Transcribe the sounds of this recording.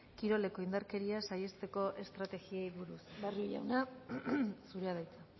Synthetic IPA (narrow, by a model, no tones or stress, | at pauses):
kiɾo̞le̞ko̞ind̪aɾke̞ɾiasaje̞st̪e̞ko̞ʔe̞st̪ɾat̪e̞ɣiajβuɾusbarija̰wna | suɾeaðajt͡sa